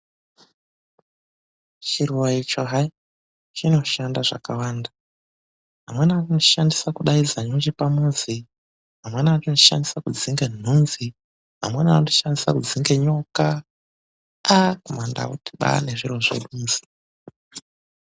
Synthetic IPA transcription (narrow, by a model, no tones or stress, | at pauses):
t͡ʃiruwait͡ʃoɦai | t͡ʃino̞ʃandaʐa̰kawaːnda | ɦamwenatinoʃandisakuɗaizaɲod͡ʒipamuzi | ɦamwe̞natinoʃa̰ndisakud͡ziŋɡen̤unzi | ɦa̰mwenanoti̥ʃandisakud͡ziŋɡe̞ɲo̞ka | kumanda̰uti̥ɓa̰ne̞ʐiro̞ʐḛɗuːnzi̥